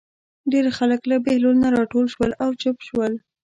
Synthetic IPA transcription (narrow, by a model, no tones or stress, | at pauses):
ɖeɾxaləklabehlolnaɾɑʈolʃwəlawt͡ʃʊpʃwəl